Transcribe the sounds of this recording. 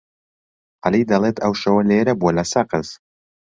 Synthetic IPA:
ʔalid̪ɐlˠeːt̪ʰɐwʃɐwɐleːɾɐbuolɐsɐqɨz

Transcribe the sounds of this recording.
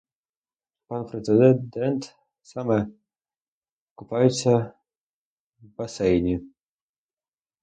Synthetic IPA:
panpɾɛt̪sɨd̪ɛd̪ɛnt̪ | samɛ | kʊpajʊt̪sʲɐ | vbasɛjnʲi

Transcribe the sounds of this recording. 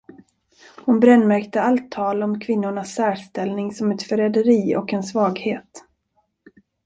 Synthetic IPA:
hʊnbɾɛnːmæɾkt̪əalt̪ʰːɑːlɔmkʰvɪnːʊɳasːæːʂt̪ɛlnɪŋsɔmɛt̪fœɾɛd̪əɾiːɔ̰kɛnsvɑːɡheːt̪

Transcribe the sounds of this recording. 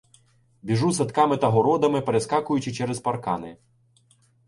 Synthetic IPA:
bʲiʐusɐt̪kɑmɪt̪ɐɦɔɾɔd̪ɐmɪpeɾeskɑkʊjʊt͡ʃɪt͡ʃɛɾɛzpɐrkɑ̰nɪ̰

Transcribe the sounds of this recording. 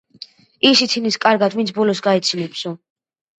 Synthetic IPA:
isit̪ʰiniskʼaɾɡad̪vint̪sʰbɔlɔsɡaɛt̪sʰinɛpʰsɔ

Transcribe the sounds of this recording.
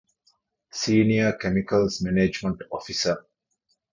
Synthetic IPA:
siːniəkemikəlsmened͡ʒmə̃ɳʈɔfisə

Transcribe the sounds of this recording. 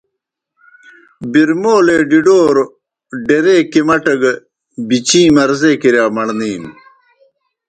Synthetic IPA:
biɾmoːleːɖiɖoːɾ | ɖeɾeːkimɐʈɐɡ | bit͡ɕĩːmɐɾzekiɾjaːmɐɳniːm

